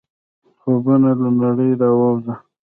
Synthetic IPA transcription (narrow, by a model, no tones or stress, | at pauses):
xobunalanaɽəjɾawawza